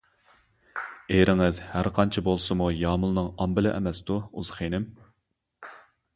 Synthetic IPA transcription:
eɾɪŋɪzhæɾqʰɑnt͡ʃʰɪbolˠsɨmujɑːmʊlˠnɨŋɑmbɪlɪʔɛ̰mɛst̪uṵzχenɪm

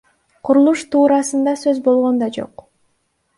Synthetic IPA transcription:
qʰʊɾulˠuʃt̪ʰuːɾɑsɯnd̪ɑsø̞zbo̞lˠʁo̞nd̪ɑd͡ʒo̞̰q

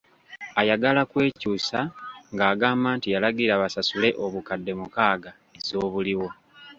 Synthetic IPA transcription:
ajaɡalakwe̞ːcuːsaŋɡaːɡaːmbaːntijalaɡiɾaβasasule̞ʔo̞βukadːe̞mukaːɡa | ezo̞ːβuliwo̞

